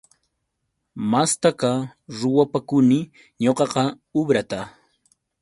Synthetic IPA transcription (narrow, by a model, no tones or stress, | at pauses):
mast̪akaɾʊwapakʊnɪ | ɲoqɑqɑ | ʊbɾat̪a